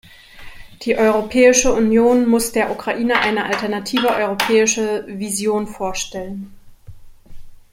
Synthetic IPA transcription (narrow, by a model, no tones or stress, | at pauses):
d̥iːʔɔʏʁopʰɛːɪʃəunjoːnmʊsd̥eːɐʔukʁ̥aʔiːnəʔaɪnəʔaltɛɐnatʰiːvəʔɔʏʁopʰɛːɪʃəvizjoːnfoːɐʃtɛlən